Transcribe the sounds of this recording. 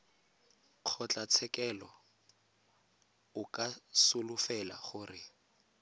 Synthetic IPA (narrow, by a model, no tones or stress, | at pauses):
q͡χʰɔt͡ɬʼat͡sʰɛkʼɛlɔ | ʊkʼasʊlʊfɛla̰χʊrɪ